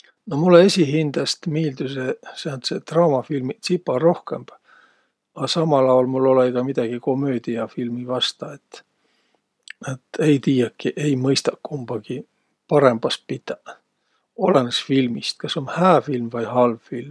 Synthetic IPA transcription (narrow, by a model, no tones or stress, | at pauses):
no̞mulːeesʲiɦind̪̥ɑst̪miːld̪̥useseɑnt̪set̪rɑwmɑfilmisipːˑɑro̞hke̞mb̥ | ɑsɑmɑlɑwolmulːo̞leiɡ̥ɑmid̪̥ɑɡ̥iko̞mø̞ːd̪̥iɑfilmivɑst̪ɑet̪ːˑ | et̪ːˑe̞jt̪iːjɑkːiʔe̞jmɤjst̪ɑkkːumb̥ɑɡ̥i | pɑɾe̞mb̥ɑst̪̚pid̪̥ɑ | o̞lenesfilmist̪̚kɑso̞nhæːfilmvɑjhɑlvfilm